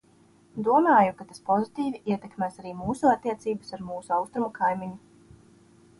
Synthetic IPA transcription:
d̪uɔmaːjukat̪aspɔzit̪iːviʔiɛt̪ɛkmæːsaɾiːmuːsuat̪ːiɛt̪siːbəsaɾmuːsuawst̪ɾumakʰajmiɲu

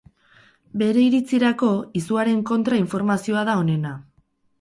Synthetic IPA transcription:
be̞ɾe̞iɾit͡siɾako̞isuaɾe̞ŋko̞nt̪ɾaiɱfo̞ɾmasio̞aðao̞ne̞na

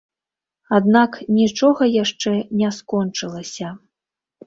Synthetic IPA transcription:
ad̪naknʲit͡ʂɔɣɐjaʂt͡ʂɛnʲɛskɔnt͡ʂɨlˠɐsʲɐ

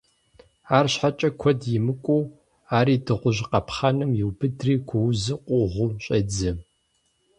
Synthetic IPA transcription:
aːrɕħat͡ʃʼɐkʷʰɔdjɪmɨkʷʼuː | aːɾiːdɨʁʷʊʒqɐpχanɨmjɪwbɨdriːkʷʰɔwzɨqʷʼʊʁʷʊɕʼɐd͡zɨ

